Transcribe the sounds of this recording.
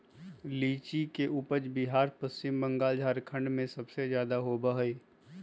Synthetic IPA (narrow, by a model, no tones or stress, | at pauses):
liːt͡ʃikeʔʊpəd͡ʒbɪɦaːɾpəst͡ʃɪmbə̃ŋɡaːld͡ʒʱaːɾkʰə̃ɳɖmẽsɐbsezjaːd̪aɦobəɦeː